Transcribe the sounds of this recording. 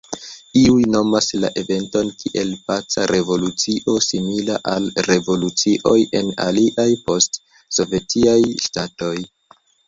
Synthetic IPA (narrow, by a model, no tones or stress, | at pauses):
iujno̞masla̰ʔe̞ve̞nto̞nkiʔe̞lpat͡sa̰ɾe̞vo̞lut͡siʔo̞similaʔalɾe̞vo̞lut͡siʔo̞je̞na̰liʔajpo̞st | so̞ve̞tiajʃtato̞j